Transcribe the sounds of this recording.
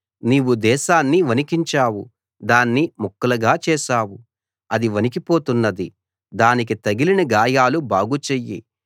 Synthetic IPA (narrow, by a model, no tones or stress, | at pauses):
niːwud̪ɛːʃaːnːiʋɐnikiɲt͡ʃaːwu | d̪aːnːimukːɐlɐɡaːt͡ʃɛːʃaːwu | ɐd̪iʋɐnik̬ipo̞ːt̪unːɐd̪i | d̪aːnik̬it̪ɐɡilinɐɡaːjaːlubaːɡut͡ʃejːḭ